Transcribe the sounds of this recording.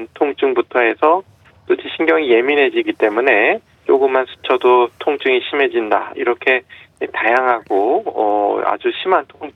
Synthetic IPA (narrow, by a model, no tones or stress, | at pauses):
ntʰoŋt͡ɕ͈ɯŋbutʰʌe̞sʰʌ | t͈od͡ʑʰiɕʰinɡjʌŋije̞minɦe̞d͡ʑiɡit͈e̞mune̞ | t͡ɕ͈oɡɯmːansʰɯ̥t͡ɕʰʌdotʰoŋt͡ɕ͈ɯŋiɕʰimɦe̞d͡ʑinda̰ḭɾʌkʰe̞tajaŋɦaɡoʌ̰a̰d͡ʑuɕʰimantʰoŋ